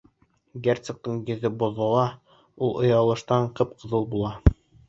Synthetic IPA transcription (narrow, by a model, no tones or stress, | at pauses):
ɡert̪sɤ̆k̚t̪ɤɴjɵ̆ðɘbŏðɑ̆lˠɑ | ulˠʔŏjɑlˠɤ̆ʃt̪ɑɴqɤp̚qɤ̆ðɤlˠbulˠɑ